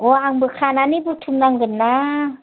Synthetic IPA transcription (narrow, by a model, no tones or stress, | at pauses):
oaŋbəkʰananibut̪ʰunaŋɡənːa